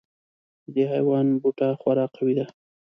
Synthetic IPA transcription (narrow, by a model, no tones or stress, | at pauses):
d̪əɦa̰jwɑnbuʈɑxwaɾɑqawid̪a